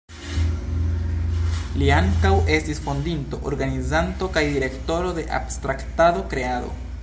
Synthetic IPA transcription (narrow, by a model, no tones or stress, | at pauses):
liaŋkawe̞stisfondinto̞ʔoɾɡanizanto̞kajdiɾe̞kto̞ɾo̞de̞ʔa̰bstɾaktado̞kɾe̞ado̞̰